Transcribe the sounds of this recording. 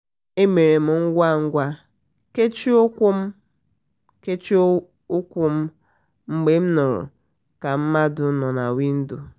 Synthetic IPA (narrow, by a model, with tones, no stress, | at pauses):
e˦me˨ɾe˨m̩˨ŋ̩˦ɡʷa˦˨ŋ̩˦ɡʷa˦ | ke˦t͡ʃi˦o˦kʷu˦m̩˦ | ke˦t͡ʃi˦ | ʊ˦kʷʊ˦m̩˦ | ŋ͡m̩˦ɡ͡be˦m̩˦nʊ˨ɾʊ̰˨ | ka˨m̩˦ma˦dʊ˨˦nɔ˨na̰˨wi˦n̩˦du˨